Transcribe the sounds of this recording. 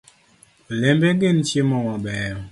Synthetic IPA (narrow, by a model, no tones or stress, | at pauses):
lembeɡent͡ʃjemɔmabɛː